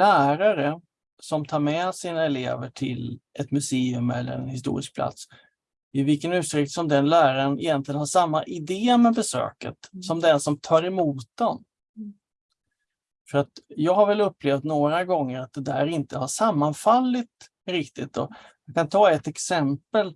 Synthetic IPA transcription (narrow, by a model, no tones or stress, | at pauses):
læːɾaɾə | sɔmt̪ʰɑːɾmɛsiːnaɛlḛːvəʈʰɪlʔɛt̪mɵseːɵmɛ̰lːə̰ɾɛ̰nhɪs̬t̪ṵːɾɪ̰sk̚pʰla̰t̪s | ɪvɪlkənʉ̟ːt̪ɾɪk̚t̪sɔmd̪ɛnlæːɾaɾənɪ̰jɛnt̪lɪɡənhaʂamːaʔɪd̪eːmɛbɛsø̰ːkə̰t̪sɔmd̪ɛnsɔmt̪ʰɑːɾɛmuːt̪̚d̪ɛn | fœɾat̪jɑːɡɦhaɾvɛlɵpːleːft̪noːɾaɡɔŋːəɾat̪̚d̪ɛd̪æ̰ːɾɪnt̪əhaʂamːanfalːɪt̪ | ɾɪkt̪ɪt̪ɔ̰ | jakʰant̪ʰɑːɛt̪ːɛksɛmpəl